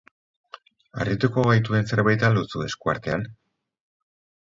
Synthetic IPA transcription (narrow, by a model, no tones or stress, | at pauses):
a̰rit̪uko̞βajt̪ue̞nse̞ɾβajt̪alut͡sue̞skua̰ɾt̪e̞an